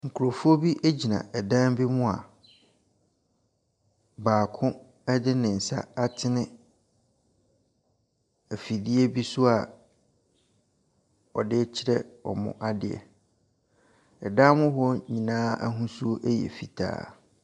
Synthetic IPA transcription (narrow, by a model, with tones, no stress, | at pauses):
ŋ̩˨kʰʊ˨ɾo˨fu˦o˦bi˦ʔe˦d͡ʑi˨nã̰˨ʔɛ˨dã˦mbi˦mʊ̃˦a̰˨ | baː˨kʰʊ̃˦ | ɛ˦dɪ˦nɪ̃˨n̩˨sa̰˦a˦tʰɪ˦nɪ̃˦ | æ˨fi˨di˦e˦bi˦su˦a˨ | ɔ˨dɪ˦t͡ɕʰɪ˦ɾɛ˦ɔ̰˨mʊ̰̃˦ʔa˦dɪ̰˨ɛ̰˨ | ɛ˨dã˦mʊ̃˦hɔ˦ɲĩ˨nãː˦a̰˦ɦũ˦su˦o˦ʔe˦jɛ̰˨fi˨tʰa̰ː˦